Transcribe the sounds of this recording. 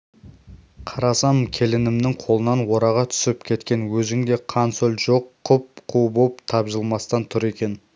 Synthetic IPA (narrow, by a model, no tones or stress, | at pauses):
qʰɑɾɑsɑmkʲʰe̞lɪnɪmnɪŋqʰo̞lˠənɑnwo̞ɾɑʁɑt̪ʰʏ̥sɪpkʲʰe̞t̪kʲe̞nwɵzɪŋd̪e̞qʰɑnsɵlʒo̞qʰːʊp̚qʰubopt̪ʰɑpʒəlˠmɑst̪ɑnt̪ʰʊɾe̞kʲe̞n